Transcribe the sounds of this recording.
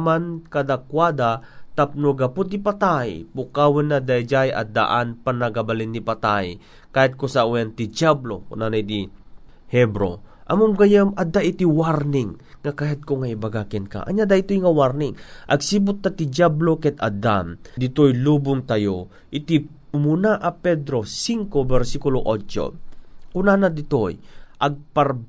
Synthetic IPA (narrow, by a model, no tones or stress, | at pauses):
mankad̪akwad̪at̪ap̚noɡɐpʊt̪ːipat̪ajpʊkawɪnːad̪ajd͡ʒajɐ̰d̪a̰ʔanpanɐɡabalɪnːipat̪aj | kaːjat̪̚kʊsaʔujant̪ɪd͡ʒablo̰kʊ̰nanajd̪i | hɛbɾo̰ʔɐmʊmɡajamʔɐd̪aʔɪt̪iwaɾnɪŋː | ɐkajad̪̚koŋaibaɡakɛnka̰ʔɐ̰ɲad̪ait̪ojŋɐwaɾnɪŋʔɐɡsibʊt̪̚ːat̪ɪd͡ʒablokɛt̪ad̪amd̪ɪt̪ojlubʊŋt̪ɐjo | ʔɪt̪i | munaʔɐpɛd̪ɾosiŋkobɛɾsikʊloʔot͡ʃo̰kʊnanad̪ɪt̪ojʔɐɡ̚pɐɾ